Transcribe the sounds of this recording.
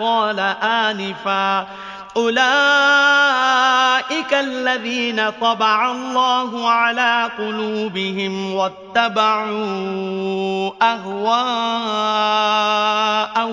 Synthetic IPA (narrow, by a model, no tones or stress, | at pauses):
ɑːlaʔaːnɪfa | ʔʊlaː | ʔɪkalːaðiːnat̪ˤɑbaʕalːɑːɦʊʕalaːqʊluːbɪɦɪmwat̪ːabaʕuː | ʔaɦwaː | ʔa